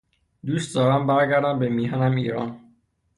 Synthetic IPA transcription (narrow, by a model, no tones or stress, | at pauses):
d̪uːst̪̚d̪ɒːɾæmbæɾɟæɾd̪æmbemiːɦænæmiːɾɒ̰ːn